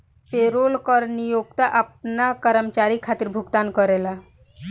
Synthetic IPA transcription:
peɾolkəɾnijoɡ̚t̪aʔap̚nakəɾəmt͡ɕaɾikʰat̪iːɾbʱuɡt̪ankəɾela

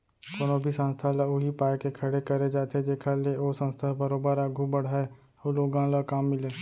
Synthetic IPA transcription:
koːnobʱisə̃nst̪ʰalaʊɦipaːekekʰɐɽekɐɾed͡ʒaːt̪ed͡ʒeːkʰaleoːsə̃nst̪ʰabəɾoːbəɾaɡʱubəɽ̤aːe | oloːɡãlakaːmːɪleː

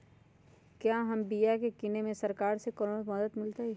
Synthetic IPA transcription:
kjaːɦɐmbijakekɪnemẽsɐɾkaːɾsekɔɾoməd̪əd̪mɪlt̪aɦɛ

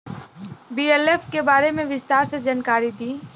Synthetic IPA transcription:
biːeleːfkebaːɾemẽʋɪst̪aːɾsed͡ʒənkaːɾit̪ʰiː

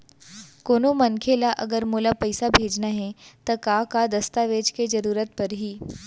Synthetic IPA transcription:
koːnomɐnkʰelaʔɐ̰ɡəɾmuːlapɐjɪsabʱeːd͡ʒnaɦɛt̪ɐkakad̪ɐst̪aʋeːd͡ʒked͡ʒɐɾuːɾət̪̚pɐɾɦiː

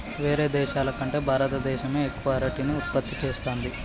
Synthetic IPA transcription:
ʋe̞ːɾe̞ːd̪ɛːʃaːlɐkɐɳʈe̞ːbʱaːɾɐt̪ɐd̪ɛːʃɐme̞ːekːʋaːɾiʈiːniut̪̚pɐt̪ːit͡ʃe̞ːst̪oːnd̪i

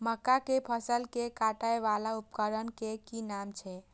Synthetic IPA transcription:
məkːakepʰəsəlkekaʈajʋalaupkəɾənkekinamt͡ʃʰɛ

